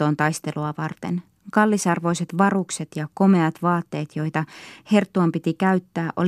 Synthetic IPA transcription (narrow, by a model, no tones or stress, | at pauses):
o̞ːnt̪ɑjst̪e̞luɑʋɑrt̪e̞̰n | kɑlːisɑrʋo̞jse̞t̪ʋɑrukse̞t̪jɑko̞me̞ɑt̪ʋɑːt̪ːe̞ːt̪jo̞jt̪ɑhe̞rt̪ːuɑmpit̪ikæɥt̪ːæːʔo̞l